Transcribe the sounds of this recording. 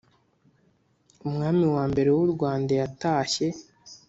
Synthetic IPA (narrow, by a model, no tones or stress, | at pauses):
umŋaːmiwaːmbe̞ɾe̞wuɾɡwaːndajataːçe̞